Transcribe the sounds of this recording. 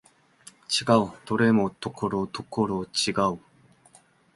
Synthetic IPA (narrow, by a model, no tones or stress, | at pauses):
t͡ɕiɡaut̪oɾemot̪okʰoɾot̪okʰːoɾot͡ɕiɡau